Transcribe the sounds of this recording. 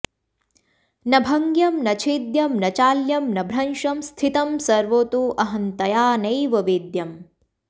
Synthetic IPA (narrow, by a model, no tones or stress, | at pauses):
nɐbʱɐŋɡjɐmnɐt͡ʃʰeːd̪jɐmnɐt͡ʃaːljɐmnɐbʱɾɐnʃɐmst̪ʰit̪ɐmsɐɾʋoːt̪uʔɐɦɐnt̪ɐjaːnɐjʋɐʋeːd̪jɐm